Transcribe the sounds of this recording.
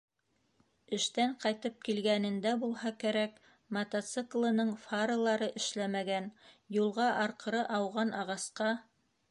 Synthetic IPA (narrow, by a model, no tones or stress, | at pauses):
ɘ̆ʃt̪æɴqɑjt̪ɤp̚kilɡænɘ̆nd̪æbulˠhɑkæɾæk | mɐt̪ɐt̪sɨklˠɤ̆nɤɴfɑɾɤlˠɑɾɤʔɘ̆ʃlæmæɡænjulˠʁɑʔɑɾqɤ̆ɾɤʔɑwʁɑnʔɑʁɑsqɑ